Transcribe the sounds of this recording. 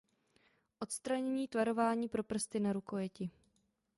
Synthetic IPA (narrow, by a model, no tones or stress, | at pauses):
ʔo̞t̪st̪ɾaɲɛɲiːt̪vaɾo̞vaːɲiːpɾo̞pr̩st̪ɪnaɾuko̞jɛcɪ